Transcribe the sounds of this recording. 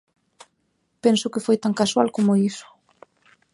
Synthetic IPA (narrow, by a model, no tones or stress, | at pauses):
pɛnsʊkɪfojt̪aŋkaswalkomoisʊ̥